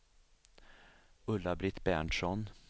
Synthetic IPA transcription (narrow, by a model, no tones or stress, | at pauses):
ɵlːabɾɪt̪ːbæɳʂɔn